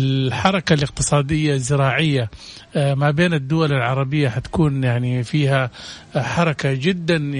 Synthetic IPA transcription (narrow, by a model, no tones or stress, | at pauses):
ħɑɾˤɑkalɪq̚t̪ɨsˤɑːd̪ɪjːazɪɾɑːʕɪjːa | mabeːnɪd̪ːʊwalɪlʕɑɾˤɑbɪjːaħat̪ḁkuːnjaʕnifiːha | ħɑɾˤɑkad͡ʒɪd̪ːan